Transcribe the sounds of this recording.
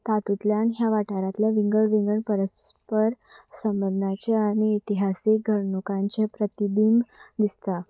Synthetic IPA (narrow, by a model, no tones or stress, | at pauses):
t̪at̪ut̪ljanɦjaʋaʈaɾat̪ljaʋiŋɡəɭʋiŋɡəɳpəɾəspəɾ | səmbənd̪ʱnat͡ɕeañiːt̪iɦasik̚ɡʱəɾɳukaɲt͡ɕepɾət̪id̪imd̪ist̪a